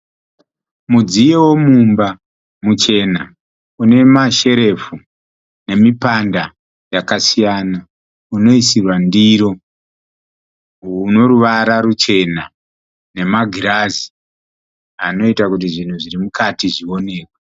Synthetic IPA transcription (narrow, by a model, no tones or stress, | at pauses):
mud͡zijewo̞mumba | mut͡ʃe̞na | une̞maʃe̞ɾe̞fu | ne̞mipanda | jakasijana | uno̞isirwandiɾo̞ | uno̞ɾuʋaɾarut͡ʃe̞na | ne̞maɡʱiɾazi̥ | ano̞itakut̬iʐin̤uʐiɾimukatiʐio̞ne̞ːkwa